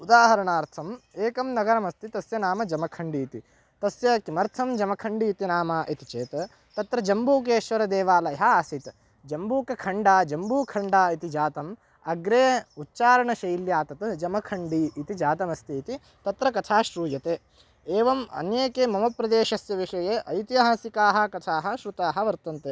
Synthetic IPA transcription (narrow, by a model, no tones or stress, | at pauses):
ud̪aːɦɐɾɐɳaːɾt̪ʰɐmeːkɐmnɐɡɐɾɐmɐst̪it̪ɐsjɐnaːmɐd͡ʒɐmɐkʰɐɳɖiːt̪i | t̪ɐsjɐkimɐɾt̪ʰɐmd͡ʒɐmɐkʰɐɳɖiːt̪inaːmaːʔit̪i̥t͡ʃeːt̪ | t̪ɐt̪ɾɐd͡ʒɐmbuːk̬eːʃʋɐɾɐd̪eːʋaːlɐɦaɐsit̪ | d͡ʒɐmbuːkɐkʰɐɳɖaːd͡ʒɐmbuːkʰɐɳɖaːit̪id͡ʒaːt̪ɐm | ɐɡɾeːutːt͡ʃaːɾɐɳɐʃɐjljaːt̪ɐt̪d͡ʒɐmɐkʰɐɳɖiːt̪id͡ʒaːt̪ɐmɐst̪iːt̪i | t̪ɐt̪ɾɐkɐt̪ʰaːʃɾuːjɐt̪eː | eːʋɐmɐ̰njeːkeːmɐmɐpɾɐd̪eːʃɐsjɐʋiʂɐjeːʔɐjt̪iaːsikaːɦɐ̆kɐt̪ʰaːɦɐ̆ʃɾut̪aːɦɐ̆ʋɐɾt̪ɐnt̪eː